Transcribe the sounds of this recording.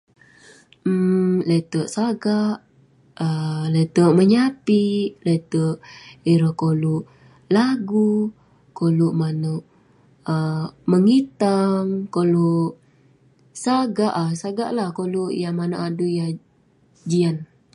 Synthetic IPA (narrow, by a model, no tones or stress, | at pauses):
let̪əʔsaɡaʔ | əlet̪əʔməɲapilet̪əʔiɾəhkoluʔ | laɡu | koluʔmanəʔ | əməŋit̪aŋkoluʔ | saɡaʔasaɡa̰ʔlahkoluʔjamanoʔaduja | d͡ʒian